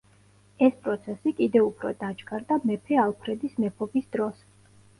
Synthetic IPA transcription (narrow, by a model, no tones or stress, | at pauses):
ɛspʼɾɔt̪sʰɛsikʼid̪ɛupʰɾɔ̰d̪at͡ʃɡʰaɾd̪amɛpʰɛalˠpʰɾɛd̪ismɛpʰɔbisd̪̥ɾɔs